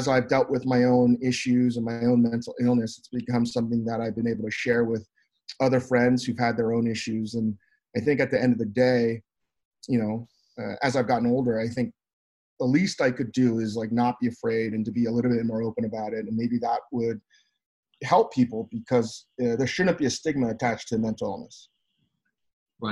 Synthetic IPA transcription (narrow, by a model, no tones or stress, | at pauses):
ɨzaɪvdɛlˠʔ̚wʔɨðmaɪõʊ̃nɪʃʉzə̃nmaɪõʊ̃nmɛ̃ntˡl̩ˠɪlˠnɨsɨtsb̥ɨkʰʌ̃msʌ̃mθɪ̃ŋðəɾaɪvbɨ̃neɪbl̩ˠtʰɨʃɛɹwɪð | ʌðə˞fɹɛ̃ndz̥hʉv̥ɨd̪̚ðə˞õʊ̃nɪʃʉzə̃n | aɪθɪ̃ŋkɨt̪̚ðiʔɛ̃ndʌvðɨdeɪ | jɨñoʊ | ʌ̰ɨzaɪvɡɑʔn̩oʊlˠdə˞aɪθɪ̃ŋk̚ | ðəlistaɪkɨdɨɪzlaɪk̚nət̚b̥iɨfɹeɪɾɨ̃ntɨbiəlɪɾl̩ˠbɪt̚mɔɹoʊpɨ̃nɨbaʊɾɪtɨ̃n̩meɪbiðət̚wəd̚ | hɛlˠpʰipl̩ˠbɨkʰʌzʌðə˞ʃʊdⁿn̩b̥iɨstɪɡ̚məːtʰæt͡ʃtʰɨmɛ̃ntˡl̩ˠnə̰s